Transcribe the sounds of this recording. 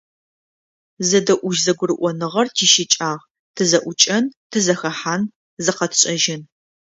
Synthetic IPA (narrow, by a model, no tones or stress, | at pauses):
zɐdɐʔʷʊʒzɐɡʷʊɾɨʔʷɔnɨʁɐrtʰiːʃɪt͡ʃʼaːʁ | tʰɨzɐʔʷʊt͡ʃʼɐntʰɨzɐxɐħaːn | zɨqɐtʰɕʼɐʒɪn